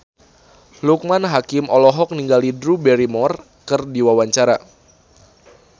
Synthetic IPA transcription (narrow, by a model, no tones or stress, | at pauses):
luk̚manɦakɪmʔɔlɔɦɔk̚niŋɡalidɾubɛɾimɔr | kɨrdiwawaɲt͡ʃaɾa